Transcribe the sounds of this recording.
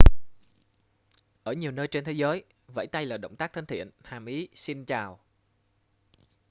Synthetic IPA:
ʔəː˧˩ɲi˨˩əwnəː˧jt͡ɕe˧nt̪ʰe˨˦zəː˨˦j | və̰˧˥jt̪a˧jlaː˨˩ɗə̰˧˨wŋ͡mt̪aː˦˥k̚t̪ʰə˧nt̪ʰḭ˧˨ənhaː˨˩mʔi˨˦si˧nt͡ɕaː˨˩w

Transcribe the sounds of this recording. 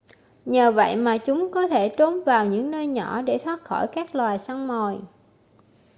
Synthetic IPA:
ɲəː˨˩və̰˧˨jmaː˨˩t͡ɕʊ˨˦ŋ͡mkɔ˨˦t̪ʰe˧˩t͡ɕ̪o˨˦mvaː˨˩wɲɨ̰˧˥ŋnəː˧jɲɔ˧˩ɗe˧˩t̪ʰwaː˦˥t̚xɔ˧˩jkaː˦˥k̚lwaː˨˩jsa˧wŋ͡mmo˨˩j

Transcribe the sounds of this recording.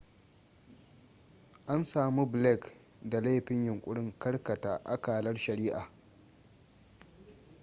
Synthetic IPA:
ʔa˦nsaː˨mu˦blɛ˦˨k | da˨la˦˨ɸɪ˦ɲjʊ˨ŋkʷʼʊ˦ɽɪ˦ŋkɐ˦rkɐ˨ta̰ː˨ʔa˦kaː˨lɐ˦rʃɐ˨ɾiː˦ʔaː˨

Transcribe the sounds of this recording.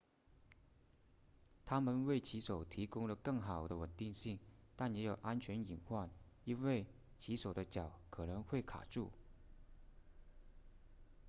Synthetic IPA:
t̪ʰa˥mə˨nwe˥˩ɪt͡ɕʰi˧˥ʂo˨˩ʊt̪ʰi˧˥kʊ˥ŋlə˨kɤ˥˩ŋxɑ˨˩ʊd̪ə˦wə˨˩nt̪i˥˧ŋɕi˥˩ŋt̪a˥˩njɛ˧˥jo˨˩ʊʔa˥nt͡ɕʰɥɛ˧˥ni˨˩nxwa˥˩n | i˥nwe˥˩ɪ | t͡ɕʰi˧˥ʂo˨˩ʊd̪ə˦t͡ɕjɑ˨˩ʊkʰɤ˨˩nə˧˥ŋxwe˥˩ɪkʰa̰˨˩ʈ͡ʂu˥˩

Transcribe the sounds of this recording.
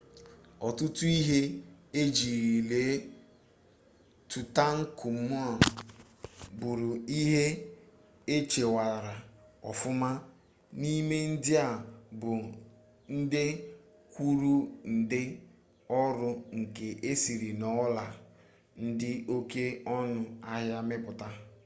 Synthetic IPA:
ɔ˨tʊ˦tʊ˦i˦ɦe˦e˦d͡ʒi˨ɾi˨le˨˦ | tu˨ta˦ŋ̩˦kʊ˨˦mʊ˦a˨ | bʊ˨ɾʊ˨i˦ɦe˦ | e˦t͡ʃe˨wa˨ɾa˨ɔ̰˨fʊ˦ma˦ | ni˦me˦n̩˦dɪ˦a˨bʊ˨ | n̩˦dɪ˦ | kʷu˦ɾu˦n̩˨dɪ˦ | ɔ˦ɾʊ˦ŋ̩˨ke˨ʔe˦si˨ɾi˨nɔ˨˦la˨ | n̩˦dɪ˦o˦ke˦ɔ˦nʊ˦a˦ɦja˦mɪ˦pʊ˨ta˦

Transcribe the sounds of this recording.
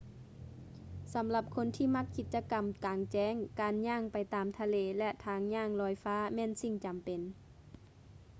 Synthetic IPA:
sa˨˦mla˧p̚kʰo˧˥nt̪ʰiː˧˨ma˧˥kʰːi˧t̪̚t͡ɕa˧ka˨˩mkaː˨˩ŋt͡ɕɛː˧˥˩ŋkaː˨nɲaː˧˩ŋpa˨˩jt̪aː˨mt̪ʰa˧leː˧˩lɛ˧ʔt̪ʰaː˧˩ŋɲaː˧˥˨ŋlɔː˧˩jfaː˧˥˨mɛː˧˥˨nsi˧˩ŋt͡ɕa˨mpe˨n

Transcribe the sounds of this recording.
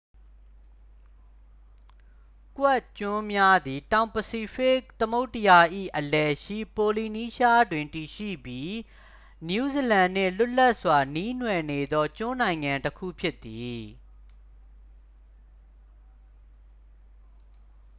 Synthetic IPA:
kwɛ˦˨ʔt͡ɕʊ̃˦mja˦d̪i˨tã˨ʊ̃pəsi˦pɪ˦k̚t̪əmo˦ʊtːəja˨ʔḭ˦˨ʔəlɛ˨ʃḭ˦˨po˨li˨ni˦ʃa˦dwɪ̃˨nti˨ʃḭ˦˨bji˦ | nju˦˨zi˨lã˨n̥ɪ̰̃˦˨lʊ˦la˦ʔswa˨ni˦n̥wɛ˨ne˨d̪ɔ˦t͡ɕʊ̃˦nã˨ɪ̃ŋã˨ntəkʰṵ˦˨pʰjɪ˦t̪ːi˨

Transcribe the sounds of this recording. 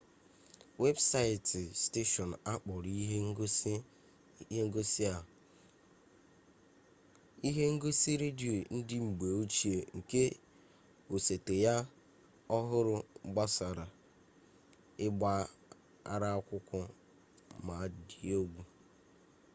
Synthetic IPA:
we˦bsa˦ɪ˨tɪ˨ste˦ʃɔ˨n˨a˦k͡pɔ˨ɾi˦ɦe˦ŋ̩˦ɡo˦s | ŋ̩˦ɡo˦si˦a˨ | i˦ɦe˦ŋ̩˦ɡo˦si˦ɾe˦di˨o˨n̩˦dɪ˦ŋ͡m̩˨ɡ͡be˨o˦t͡ʃi˨e˨ŋ̩˨ke˦ | o˨se˨te˨ja˦ | ɔ˦ɦʊ˦ɾʊ˦ɡ͡ba˦sa˨ɾa˨ | ɪ˦ɡ͡ba˦ | a̰˦ɾa˦a˦kʷʊ˦kʷʊ˦ | ma˨di˦o˦ɡʷu˨

